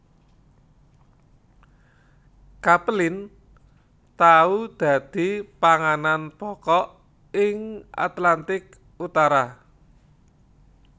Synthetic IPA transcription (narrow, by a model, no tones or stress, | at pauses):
kaplɪn | t̪aud̪̥ä̤d̪̥i̤paŋananpɔkɔʔ | ɪŋʔa̰t̪lant̪ɪk | ut̪aɾa